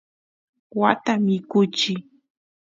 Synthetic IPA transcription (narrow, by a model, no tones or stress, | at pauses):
wat̪amɪkʊt͡ʃɪ